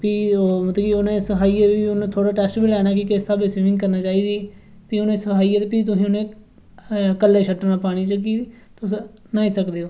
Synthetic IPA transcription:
piːoːmət̪ləiʊnẽːsəɦaːiːeːbiːʊnẽːt̪ʰoːɽaːʈɛːsʈbilɛːɽ̃naːk̬iːkɪsaːbesiːʋɪ̃ŋɡkəɾnaːt͡ʃaːiːd̪iː | piːʊnẽːsəhaːiːeːt̪epiːt̪̬ʊsĩːʊnẽː | kəlːeːʃʰəʈːnaːpaːɽ̃iːt͡ʃəkiː | t̪ʊs | naːĩːsəkd̪eːoː

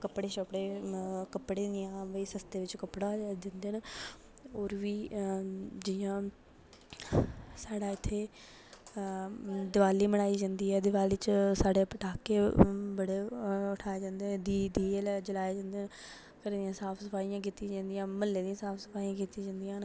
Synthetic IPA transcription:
kəpɽeːʃəpɽeːkəpɽẽːd̪ɪjãːʋəiːsəst̪eːʋɪt͡ʃkəpɽaːd̪ɪ̃nd̪eːn | ɔːɾʋiː | d͡ʒɪjãː | saːɽaːɪt̪ʰːeː | d̪ɪʋaːliːməɽ̃aːiːd͡ʒãːnd̪iːɛːd̪ɪʋaːliːt͡ʃsaːɽepəʈaːkeːbəɽeːʊʈʰaːeːd͡ʒãːnd̪eːd̪iːd̪iːɛlɛːd͡ʒəlaːjed͡ʒãːnd̪en | kəɾiːd̪ɪjãːsaːpʰsəfaːijãːk̬iːt̪ĩd͡ʒãːnd̪ɪjãːməlːeːd̪ijãːsaːpʰsə̥fʰaːijãːkiːt̪ĩd͡ʒãːnd̪ɪjãːn

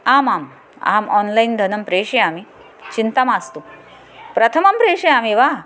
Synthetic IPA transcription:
aːmaːm | a̰ːmʔɔnlaind̪ʱɐnəmpɾeːɕiami | t͡ɕint̪amast̪u | pɾɐt̪ʰəmɐmpɾeʂiamiʋa

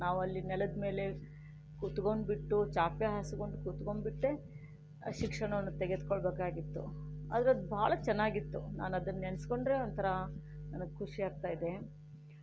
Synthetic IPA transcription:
naːʋɐlːinɛlɐd̪me̞ːle̞ | kut̪koɳɖbiʈːut͡ʃaːpjeɦɐskoɳɖukuːt̪komɖbiʈːe | ʃikʂɐɳɐʋɐnːut̪eɡed̪kɔɭbeːkaːɡit̪ːṵɐ̰d̪ɐɾeɐd̪bʱaːɭɐt͡ʃɛnːaːɡit̪ːuna̰ːnɐd̪ɐnːensko̞ɳɖɾe̞ːont̪ʰɐɾɐnɐnɐɡekʰuʂiaːɾt̪aːjid̪e̞

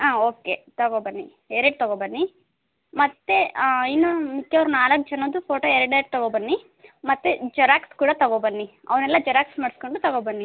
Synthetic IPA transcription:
aːoːket̪ɐɡobɐnːi | ɛɾɐɖ̚t̪ɐɡobɐnːi | mɐt̪ːeinːomikːɐʋɐɾunaːlɐk̚ːt͡ʃɐnːod̪upʰoːʈoːɛɾɐɖɐɾɖ̚t̪ɐɡobɐnːi | mɐt̪ːed͡ʒɐɾaːkskuːɽɐt̪ɐɡobɐnːi | ɐ̰ʋɐnɛlːɐd͡ʒɐɾaːksmaːɽiskoɳɖut̪ɐɡobɐnːi

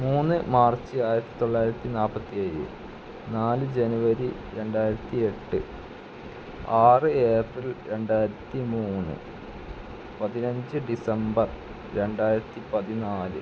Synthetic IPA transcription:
muːnːɨmaːrt͡ɕːɨaːjiɾɐt̪ːi̥t̪o̞ɭːaːjiɾɐt̪ːinaːpːɐt̪ːijɐjɨ̰ | naːlɨd͡ʑenuʋɐɾi | ɾe̞ɳɖaːjiɾɐt̪ːie̞ʈːɨ | aːrɨeːprilɾe̞ɳɖaːjɾɐt̪ːimuːnːɨ̰ | pɐðinɐɲd͡ʑɨɖisɐmbɐr | ɾe̞ɳɖaːjiɾɐt̪ːipɐðinaːlɨ̰

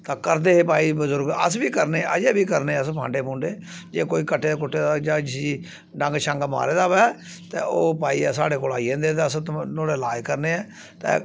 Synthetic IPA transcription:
t̪aːkəɾd̪eːɦeːp̬aːiːbəzʊɾɡə̰s̬biːkəɾneʔə̰d͡ʒeːbiːkəɾneːəspʰã̰ːɳɖeːpũːɳɖeː | d͡ʒeːkoːiːkəʈʰːeːd̪eːk̬ʊʈːeːd̪ad͡ʒaːd͡ʒsd͡ʒiː | ɖə̃ŋɡʃə̃ŋɡma̰ːɾeːd̪aːʋɛː | t̪ḛːoːpaːiɛːsaːɽeːkoːlaːiːẽːnd̪eːt̪eəst̪noːɽeːlaːekəɾneːɛː | t̪ḛː

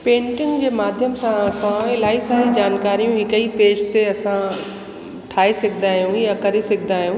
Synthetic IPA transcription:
pẽːɳʈɪ̃ŋɡd͡ʑeːmaːd̪ʱjəmsãɐsãɪlaːisaːɾid͡ʑaːnkaːɾijũɦɪkəipeːd͡ʒt̪eɐsã | ʈʰaːesɐɡʰʱɪnaːɦijũjakɐɾesɪɡʱɪnaːɦijũ

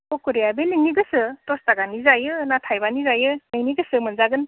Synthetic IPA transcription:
kokuɾejabeniŋniɡɯsɯtɔstaɡanizajɯnatʰajbanizajɯnɯŋniɡɯsɯmɯnzaɡɯn

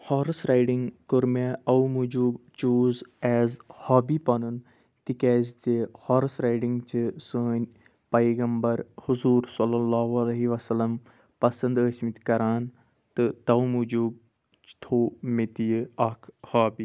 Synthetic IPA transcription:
hɔːɾsɾajɖiŋɡkʊɾmeɐwmud͡ʒuːbt͡ʃuːzɛːzhaːbiːpɐnun | t̪ikɛːzt̪ehɔːɾsɾaːjɖĩŋɡt͡ʃɨsəːnʲ | pɐjɡɐmbɐɾhʊzuːɾsɐlːɐlːaːɦuɐlɐɦiʋɐsɐlːɐm | pɐsɐnd̪əːsmit̪kɐɾaːn | t̪ɨt̪ɐumud͡ʒuːb̚ | t͡ʃt̪ʰoːmit̪ijɐkʰhaːbiː

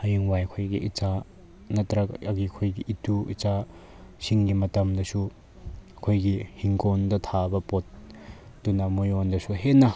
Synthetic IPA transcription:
hɐjiŋwajkʰojɡiʔit͡sa | nɐt̪ɾɐkɐɡikʰojɡiʔituʔit͡sa | siŋɡimɐt̪ɐmdɐsu | kʰojɡihiŋkɔnd̪ɐt̪ʰabɐpɔt̪̚ː | unɐmɔjɔnd̪ɐsuɦɛnɐ

